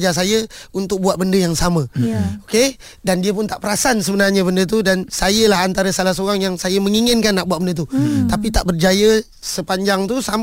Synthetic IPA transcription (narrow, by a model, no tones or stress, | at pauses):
d͡ʒas̬ajəunt̪ʊk̚buaʔ̚bəndəjaŋsamãoke | dandiəp̬ʊnt̪aʔpəɾasansəbənarɲəbəndət̪̬udansajəlaɦant̪aɾəsalahsoɣaŋjaŋsajəməŋiŋɪnkanːaʔ̚buaʔ̚bəndət̪ut̪apit̪aʔbərd͡ʒajə | səpaɲd͡ʒaŋt̪usam